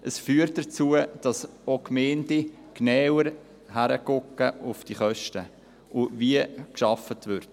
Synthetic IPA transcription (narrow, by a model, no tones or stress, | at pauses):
ʔəsfyːɾt̚dət͡suəd̥ɑsokmeːndi | knɛwəɾ | hæɾəkʊkːəʊfd̥iχœʃtə | ʔʊviəkʃɑfətvʏɾt